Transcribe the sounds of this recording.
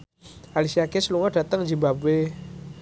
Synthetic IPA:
ʔalisiakesəluŋɔɖ̥at̪əŋd͡ʒibabwe

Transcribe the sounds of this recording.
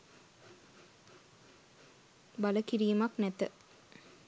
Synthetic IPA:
baləkiɾiːmaknɛt̪ə̰

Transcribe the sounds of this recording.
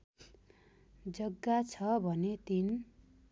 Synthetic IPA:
d͡zʌɡːat͡sʰʌbʱʌnet̪in

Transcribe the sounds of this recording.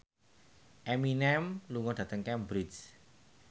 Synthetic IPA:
ʔɛminɛmluŋɔɖ̥ä̤t̪əŋkɛmbɾis

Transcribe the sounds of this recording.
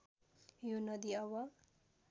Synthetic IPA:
jonʌd̪iʌβʌ

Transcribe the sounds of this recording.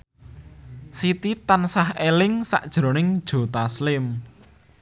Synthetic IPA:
sit̪it̪ansahelɪŋsa̰ʔd̥ʒ̥ɾo̤nɪŋd̥ʒ̥o̤t̪aslɪm

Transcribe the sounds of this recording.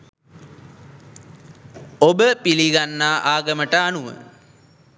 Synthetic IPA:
obəpiliɡanːaːʔaːɡəməʈəanuʋə̰

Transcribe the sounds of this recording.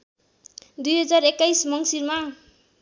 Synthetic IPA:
d̪ujɦʌd͡zarekːajsmʌŋsirma

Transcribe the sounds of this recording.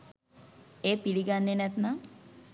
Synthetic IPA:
eːpiɽiɡanːenɛt̪na

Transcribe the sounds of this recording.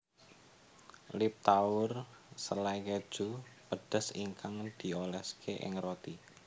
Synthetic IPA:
lɪp̚t̪aʊrsəlaiked̥ʒ̥upəɖ̥ə̤siŋkaŋd̪̥i̤olɛskʰeʔɪ̰ŋrot̪i

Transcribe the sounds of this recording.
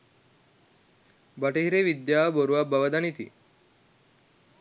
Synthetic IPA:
bəʈeɦiɾeʋid̪jaboɾuʋabəʋəd̪anit̪ḭː

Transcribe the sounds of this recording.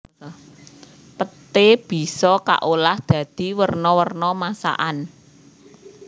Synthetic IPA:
pət̪eb̥i̤sɔka̰ʔolahd̪̥ä̤d̪̥i̤wərnɔwərnɔmasa̰ʔan

